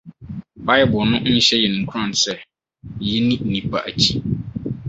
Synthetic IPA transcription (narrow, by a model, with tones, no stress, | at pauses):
ba˦jɛ˨˦bʊ˨nʊ̃˦ɕɛ˦jɛ˨nɪ̃˨kʰɾã˦˨nsɛ˦ | jɛ˦nĩ˦˨nĩ˨pʰa̰˨ʔa˨t͡ɕʰi˦